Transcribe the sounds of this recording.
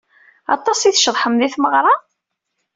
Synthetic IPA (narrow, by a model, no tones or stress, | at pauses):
ɑt̪ˤːɑsiθʃðˤħəmðiθməʁɾˤɑ